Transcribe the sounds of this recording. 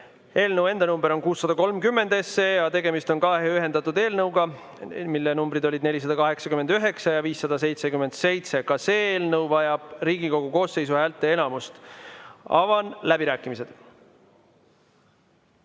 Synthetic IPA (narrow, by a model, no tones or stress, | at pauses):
e̞ːlnəwe̞nd̪ɑnumbeɾo̞nkuːsːɑd̪̥ɑko̞lmkymːe̞nd̪e̞sːejɑt̪e̞ɡe̞mist̪o̞nkɑɦeyɦe̞nd̪ɑt̪ːˑud̪e̞ːlnɤwɡɑ | milːenumbɾid̪o̞lʲid̪ne̞lʲis̬ɑd̪ɑkɑɦe̞ksɑkymːend̪yɦe̞ksɑjɑviːsːɑd̪̥ɑs̬e̞jt̪se̞kymːe̞nd̪̥se̞jt̪se̞kɑse̞ːeːlnɤwvɑjɑb̥riːɡiko̞ɡ̥uko̞ːsːe̞jsuhælt̪ːˑe̞e̞nɑmust̪ | ɑ̰vɑnlæbiɾæːkːˑimise̞d̪̥